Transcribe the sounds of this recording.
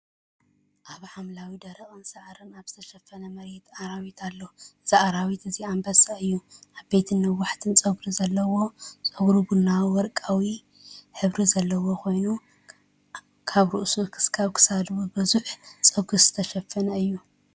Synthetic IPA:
ʔaβħamlawid̪ɐɾiχʼɨnsɐʕɾɨnaβz̥ɨt̪ʰɐʃɐfːɐnɐmɐɾɛt̪ʰaɾawit̪ʰalːoz̥aʔaɾawit̪ɨziambɐsʼaɨjːuabe̞t̪ʰɨnːɐwːaħt̪ʰɨnt͡sʼɐɡɾizɐlːɐwo̞t͡sʼɐɡɾuɡunːawiwɔɾkʼawi | ħɨβɾizɐlːɐwo̞kʰo̞jnu | kʰaβɾuʔsukʰɨ̥skʰaβkʰɨ̥sad̪wubɨzuħt͡sʼɐɡuz̥ɨ̥t̪ʰɐʃɐfːɐnɐɨjːu

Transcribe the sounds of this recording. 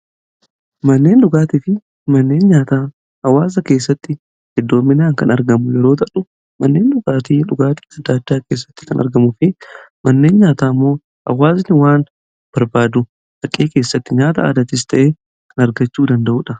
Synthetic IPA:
mɐnːe̞ːnᶑʊɡaːt̪ɪfɪ | mɐnːe̞ːnɲaːt̪aː | hɐwaːz̬ɐke̞ːsːɐt̪ːɪ | hɪd̪ːo̞ːmːɪnaːŋkɐnɐɾɡɐmʊjɛɾo̞ːt̪ɐᶑʊ | mɐnːe̞ːnᶑʊɡaːt̪iᶑʊɡaːt̪ɪ̥ɐd̪ːaːd̪ːaːke̞ːs̬ːɐ̥t̪ːɪ̥kɐnɐ̰ɾɡɐmʊfɪmɐnːe̞ːnɲaːt̪aːmːo̞ː | hɐ̰waːzɪnɪwaːn | b̥ɐɾbaːd̪ʊ | bɐkʼːeːke̞ːsːɐt̪ːɪɲaːt̪ɐ̰a̰ːd̪ɐt̪ɪs̬t̪ʰɐʔeː | kʰɐnɐɾɡɐt͡ʃːuːd̪ɐnd̪ɐʔuːᶑɐ

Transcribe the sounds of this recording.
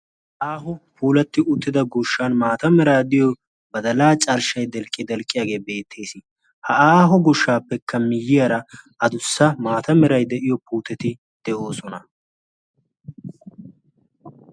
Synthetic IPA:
ʔaːɦʊpuːlɐt̪ːɪʊt̪ːɪd̪ɐɡʊʃːaːnmaːt̪ɐmɛɾaːd̪ɪjɔ | bɐd̪ɐlaːt͡ʃʼɐɾʃɐjd̪ɛlkʼːɪd̪ɛlkʼːɪjaːɡe̞ːbe̞ːt̪ʰːe̞ːsɪ | hɐʔaːɦɔɡɔʃːaːpːɛkʰːɐmɪjːɪjɐɾɐ | ɐd̪ʊsːɐmaːt̪ɐmɛɾɐjd̪ɛʔɪjɔpuːt̪ɛt̪ɪ | d̪̥ɛʔo̞ːsɔnɐ

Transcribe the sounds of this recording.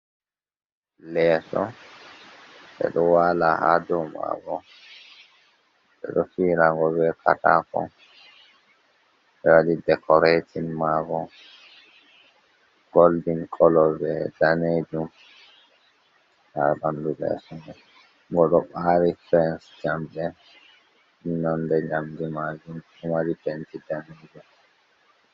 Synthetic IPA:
lɛːsɔ | ɓɛ̰ɗɔwaːlaha̰dɔma̰ɡɔ | ɓɛ̰ɗɔfiːɾaŋɡɔvɛkʰa̰takɔ̰ | ɓɛwadidɛkʰɔɾetinmaːɡɔ | ɡ̥oldinkʰɔlɔbɛdaneːd͡ʒum | ba̰ɾbandubɛ̰sɔnɛ | ŋɡɔɗɔɓaːɾifɛnsd͡ʒambɛ | minɔndɛɲamdimad͡ʒun | umaɾitɛntidaneːd͡ʒum

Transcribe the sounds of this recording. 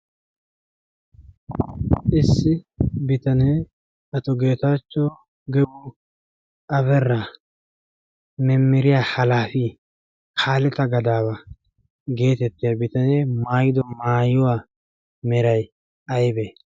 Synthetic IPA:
ʔɪsːɪbɪt̪ɐneː | ɐt̪ɔɡe̞ːt̪at͡ʃːɔ | ɡɛbʊ | ʔɐβɛrːɐ | mɛmːɪɾɪjaːhɐlaːfi | kʰaːlɛt̪ɐɡɐd̪aːbɐ | ɡe̞ːt̪ɛt̪ːɪjɐbɪt̪ɐneːmaːjɪd̪ɔmaːjʊwaː | mɛɾɐj | ɐjbɛ

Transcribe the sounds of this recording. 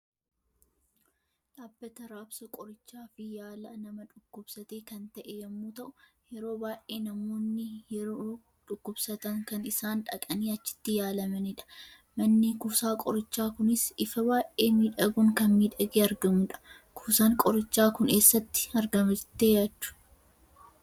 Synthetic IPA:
ᶑaːbːɐt̪ɐɾaːbsɐkʼɔɾɪt͡ʃːaːfɪjaːlɐnɐmɐᶑʊkːʊbsɐt̪eːkɐnt̪ɐʔɛjɐmːuːt̪ɐʔʊjɛɾo̞ːbaːjʔʔeːnɐmoːnːɪjɛɾoː | ᶑʊkːʊbsɐt̪ɐŋkɐnɪsaːnᶑɐkʼɐniːɐt͡ʃːɪ̥t̪ːɪjaːlɐmɐnɪᶑɐ̥ | mɐnːɪkuːsaːkʼɔɾɪt͡ʃːaːkʊnɪsɪfɐbaːʔʔeːmiːᶑɐɡuːŋkɐnmiːᶑɐɡeːɐɾɡɐmʊᶑɐ̥ | kʰuːsaːŋkʼɔɾɪt͡ʃːaːkʊne̞ːsːɐt̪ːɪ̥ɐɾɡɐmɐt̪ːeːjaːt͡ʃːʊ̥

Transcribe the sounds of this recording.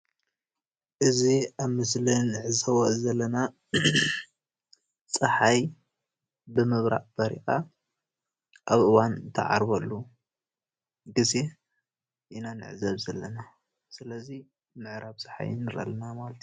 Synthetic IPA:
ʔɨziaβmɨslinɨʕɨzɐβoʔzɐlːɐna | sʼɨħaj | bɨmɨβɾa̰ʔbɐɾḭkʼa | ʔaβʔɨwant̪ʰɐ̰ʕa̰ɾbɐlːu | ɡɨze | ʔinanɨ̰ʕɨzɐβzɐlːɐna | sɨlɐzi | mɨʕɾaβsʼɨ̥ħa̰jɨ̰nːɨɾɐ̰lnamalt̪ʰi

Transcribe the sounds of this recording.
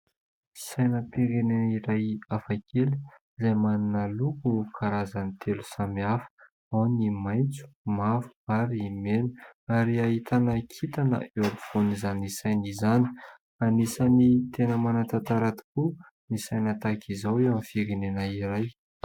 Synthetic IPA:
isajnəpiɾeneniɾajafakeliizajmaninəlukukʰaɾazanit̪ʰelu̥samiafə̥ | awnimajnt͡su̥mavu̥aɾiimenuaɾiaɦit̪ʰanəkʰit̪anə̰eɾfonizanisajnizani̥ | anisanit̪enəmanat̪at̪aɾat̪i̥ku | nisajnət̪akʰizawewamifiɾenenaiɾaj

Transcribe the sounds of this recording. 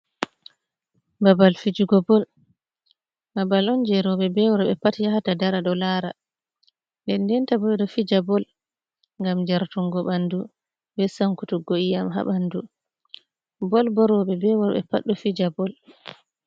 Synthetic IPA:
babalfid͡ʒuɡɔbɔl | babalɔnd͡ʒɛɾɔɓɛbɛwɔɾɓɛpatijahatadaɾaɗɔlaːɾa | ndɛndɛntabɔɛɗɔfid͡ʒabɔl | ŋɡamd͡ʒaɾtuŋɡɔɓandu | bɛsaŋkutuɡoʔijamɦa̰ɓandu | bɔlbɔɾɔɓɛbɛwɔɾɓɛ̰pa̰ɗːufid͡ʒabɔl

